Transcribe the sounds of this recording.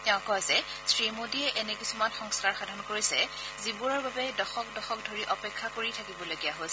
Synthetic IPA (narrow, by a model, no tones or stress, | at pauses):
tɛʊ̃kɔjsɛ | sɹimodiɛʔɛnɛkisumanxɔŋskaɹxadʱɔnkoɹisɛ̰ | zibuɹɔɹbabɛdɔxɔk̚dɔxɔk̚dʱoɹiʔɔpɛkʰːakoɹitʰakibɔloɡijaɦojsɛ